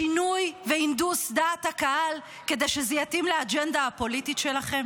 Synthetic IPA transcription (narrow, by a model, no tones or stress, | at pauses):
ʃinujveind̪usd̪aːt̪hakahal | ke̞d̪ejʃezɛjat̪imlead͡ʒendaapo̞lititʃelaχe̞m